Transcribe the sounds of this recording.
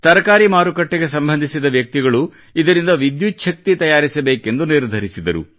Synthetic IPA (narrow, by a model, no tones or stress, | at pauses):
t̪ɐɾɐkaːɾimaːɾukɐʈːeɡe̞sɐmbʱɐnd̪ʱisid̪ɐʋjɐk̚t̪iɡɐɭu | id̪ɐɾind̪ɐʋid̪jut̪ːʃɐk̚t̪it̪ɐjaːɾisɐbeːke̞nd̪uniɾd̪ʱɐɾisid̪ɐɾṵ